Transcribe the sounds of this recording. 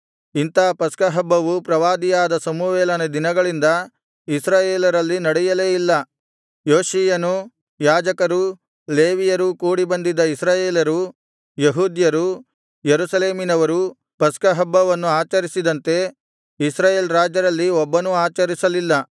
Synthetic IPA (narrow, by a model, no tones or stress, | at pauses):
int̪aːpɐskɐɦɐbːɐʋupɾɐʋaːd̪ijaːd̪ɐsɐmuʋɛːlɐnɐd̪inɐɡɐɭind̪ɐ | isɾaːjeːlɐɾɐlːinɐɽɛjɐle̞ːilːɐ | joːʃijɐnu | jaːd͡ʒɐkɐɾu | leːʋijɐɾukuːɽibɐnd̪id̪ɐisɾaːjeːlɐɾu | jeɦuːd̪jɐɾu | jeɾusɐleːminɐʋɐɾu | pɐskɐɦɐbːɐʋɐnːuaːt͡ʃɐɾisid̪ɐnt̪e̞ | isɾaːjeːlɾaːd͡ʒɐɾɐlːiɔbːɐnuaːt͡ʃɐɾisɐlilːɐ